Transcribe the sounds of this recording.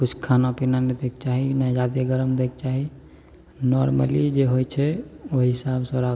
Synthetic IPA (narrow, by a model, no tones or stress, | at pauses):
kut͡ʃʰkʰanapinaned̪ek̚t͡ʃaɦinad͡ʒad̪eɡəɾəmd̪ek̚t͡ʃaɦi | nɔɾmə̰lid͡ʒeɦojt͡ʃʰɛoɦisabsəɾa